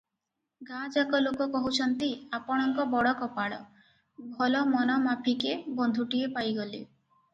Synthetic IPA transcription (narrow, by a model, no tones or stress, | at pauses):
ɡad͡ʒakɔlokɔkɔɦut͡ʃʰɔnt̪iapɔɽ̃ɔŋkɔbɔɽɔkɔpaɽɔ̰ | bʱɔlɔmɔnɔmapʰikebɔnd̪ʱuʈiepajɡɔlḭ